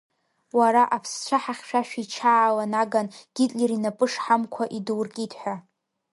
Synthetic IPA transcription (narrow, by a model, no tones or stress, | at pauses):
waɾaʔapʰst͡ɕʷʰaħaχʲʃᶣaʃᶣit͡ʃʰaːlanaɡanɡ̥ʲɪtʼlʲeɾinapʼɨʂħamkʷʰaʔidwrkʲʼidʰʼħʷᶣa